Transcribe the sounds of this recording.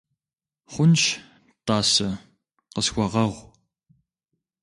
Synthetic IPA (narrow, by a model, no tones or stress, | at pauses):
χʷʊnt͡ʃ | taːsɐ | qəsxʷɔʁɐʁʷ